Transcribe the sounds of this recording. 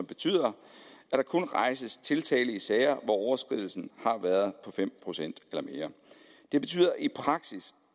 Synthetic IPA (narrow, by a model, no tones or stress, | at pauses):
b̥e̝t͡sʰy̰ð̰ˠɐʔæd̥ɑ̈kʰɔ̽nʁɑ̈ɪsəst͡sʰe̝lt͡sʰɛ̰ːləisɛːɪɐʋɒɒʊɐsɡ̥ʁið̰ˠl̩sn̩hɑ̈ʋæːɐðˠpʰɒ̽fem̰pʰʁo̝sen̰d̥elɐme̝ːɐ | d̥e̝b̥e̝̥t͡sʰy̰ːð̰ˠɐʔipʰʁɑ̈ɡ̥sis